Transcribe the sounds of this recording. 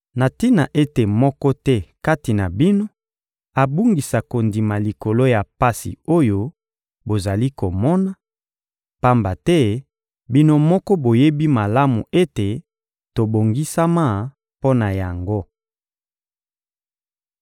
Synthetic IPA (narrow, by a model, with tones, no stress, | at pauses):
na˨ti˦na˨ʔe˦te˨mɔ˦kɔ˦tɛ˦ka˦ti˨na˨bi˦no˦ | a˨bu˦ŋɡi˨sa˨ko˨ndi˨ma˨li˨ko˨lo˦ja˨pa˦sḭ˨o˦jo˦ | bo˨za˨li˦ko˨mɔ˦na˦ | pa˦mba˨tɛ˦ | bi˦no˦mɔ˦kɔ˦bo˨je˦bi˦ma˨la˦mu˨e˦te˨ | to˨bo˨ŋɡi˦sa˦ma˦ | po˦na˨ja˨ŋɡo˦